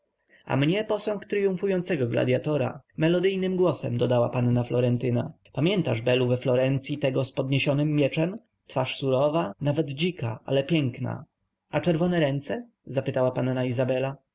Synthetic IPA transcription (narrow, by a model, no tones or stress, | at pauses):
a̰mɲɛpɔsɔŋkt̪ɾɘjuɱfujɔnt̪sɛɡɔɡla̰d̪ʲja̰t̪ɔɾa̰mɛlɔd̪ɘjnɘmɡwɔsɛmd̪ɔd̪awapanːaflɔɾɛnt̪ɘna | pamʲjɛnt̪aʐbɛluvɛflɔɾɛnt̪sʲjit̪ɛɡɔspɔd̪ɲeɕɔnɘmːʲjɛt͡ʂɛm | t̪faʂsuɾɔvanavɛd̪d͡ʑika̰ʔa̰lɛpʲjɛŋkna̰ | ʔat͡ʂɛɾvɔnɛɾɛnt̪sɛ | zapɘt̪awapanːaizabɛla